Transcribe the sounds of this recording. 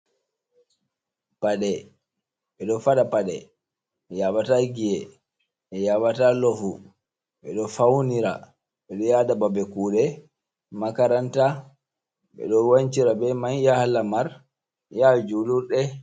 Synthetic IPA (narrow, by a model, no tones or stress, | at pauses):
paɗɛ | ɓɛɗɔfaɗapaɗɛ̰ | ɛjawataɡijɛ | ɛjawatalɔfu | ɓɛ̰ɗɔfawniɾa̰ | ɓɛɗɔjadababɛkuːɗɛ | makaɾanta | ɓɛ̰ɗɔwant͡ʃiɾabɛmanjahlamaɾ | jad͡ʒuluɾɗɛ